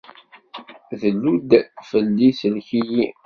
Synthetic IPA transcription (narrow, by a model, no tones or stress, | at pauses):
ðəlːud̪fəlːiθəlçiji